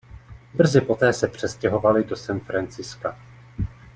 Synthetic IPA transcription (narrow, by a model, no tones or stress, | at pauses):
br̩zɪpo̞t̪ɛːsɛpr̝̥ɛscɛɦo̞valɪdo̞sɛnfɾant͡sɪska